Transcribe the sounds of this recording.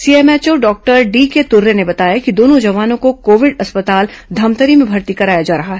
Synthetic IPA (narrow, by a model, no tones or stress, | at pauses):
siːeːmɛːt͡ʃoɖɔːk̚ʈəɾɖiːket̪ʊɾːenebɐt̪aːjakid̪oːnõd͡ʒɐʋaːnõkokoːʋɪɖɐspət̪aːld̪ʱɐmt̪əɾimẽbʱɐɾt̪ikɐɾaːjad͡ʒaːɾɐɦaɦɛː